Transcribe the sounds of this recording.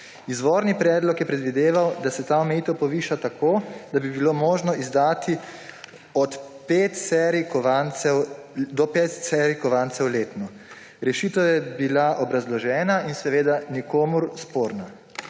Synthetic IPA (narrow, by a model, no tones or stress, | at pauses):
izʋoːɾnipɾɛːd̪lɔkjɛpɾɛd̪ʋid̪eːʋawd̪asɛt̪aːɔmɛjiːt̪ɛwpɔʋiːʃat̪akoːd̪abibilomoːʒnɔʔizd̪aːt̪i | ɔt̪peːt̪sɛɾikɔʋansɛwd̪ɔpeːt̪sɛɾikɔʋaːnsɛwleːt̪nɔ | ɾɛʃiːt̪ɛwjɛbilaʔɔbɾazlɔʒɛːnainsɛʋeːd̪anikoːmuɾspoːɾna